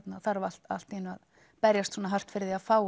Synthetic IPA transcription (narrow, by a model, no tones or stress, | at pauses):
t̪naθaɾval̥t̪a̰l̥t̪ɪnːʏma̰ð | pɛɾjast̪sɔːnaɦar̥t̪fɪɾðiaðfaːw